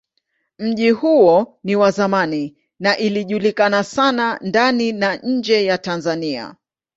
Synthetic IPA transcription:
m̩ʄihuɔniwazamani | naʔiliʄulikanasanandaninaɲ̩d͡ʒɛjatanzania̰

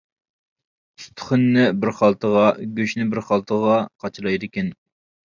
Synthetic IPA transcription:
t̪ʰχʊnːɪbɪɾχɑlˠt̪ʰəʁɑɡʲøʃnɪbɪɾχɑlˠt̪ʰəʁɑqʰɑt͡ʃʰlˠɑjd̪ɪkʲen

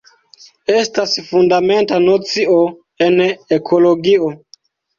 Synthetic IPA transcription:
e̞stasfundame̞ntanot͡sio̞ | e̞nekʰo̞lo̞ɡio

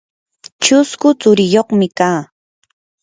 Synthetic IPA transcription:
t͡ʃʊskʊt͡sʊɾɪjoχmɪkaː

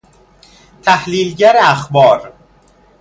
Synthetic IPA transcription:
t̪ʰæhliːlɟæɾeæxbɒːɾ

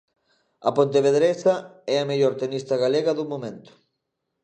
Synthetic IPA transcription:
ɐ̰pont̪̬eβeðɾesɐɛɐmeʎoɾt̪enist̪ɐɣaleɣɐðumomẽnt̪ʊ̥

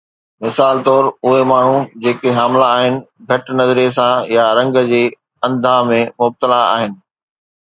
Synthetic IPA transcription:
mɪsaːlt̪ɔːɾʊɦemaːɳ̤ud͡ʑeːkeɦaːmlaːɦɪnɪ̆ɡʱɐʈnɐzɾies̬ãjaɾɐ̃ŋɡd͡ʑeː | ɐ̃nd̪ʱãmẽmʊb̚t̪əlaa̰ːɦɪnɪ̆

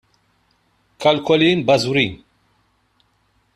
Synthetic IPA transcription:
kɐlkɔliːnbɐzuɾiːn

